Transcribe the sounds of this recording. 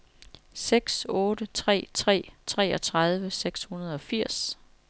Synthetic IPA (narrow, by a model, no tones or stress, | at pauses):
seɡ̥sɔ̽ːdət͡sʰʁɛ̰ːt͡sʰʁɛ̰ːt͡sʰʁɛ̰ːɒ̽t͡sʰʁað̞ˠʋəseɡ̥shunɐð̞ˠɒ̽fiɐ̰s